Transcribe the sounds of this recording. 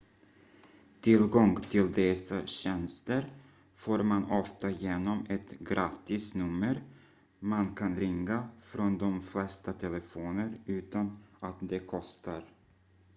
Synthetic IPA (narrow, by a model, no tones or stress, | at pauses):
t̪ʰɪlɡɔŋt̪ʰɪld̪ɛsaɕɛnst̪əɾ | foːɾmanɔft̪ajeːnɔmɛt̪ɡɾʔaːt̪ːɪsnɵmːəɾ | mankʰanɾɪŋːafɾɔnd̪ɔmflɛst̪at̪ʰɛlɛfoːnəɾʉ̟ːt̪anat̪d̪ɛkʰɔst̪aɾ